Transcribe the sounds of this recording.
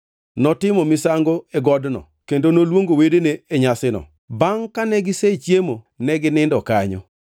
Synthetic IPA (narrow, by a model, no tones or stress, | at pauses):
nɔtɪmɔmɪsaŋɡoeɡɔdnɔ̰ | kendonolwoŋɡowedeneːɲasɪnɔ̰ | baŋkanɛɡɪset͡ʃjemo | nɛɡɪnɪndɔkaɲɔ̰